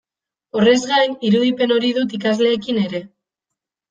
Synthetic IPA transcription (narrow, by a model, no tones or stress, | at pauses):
o̞re̞zɣajniɾuðipe̞no̞ɾiðut̪ikazle̞ːkine̞ɾe̞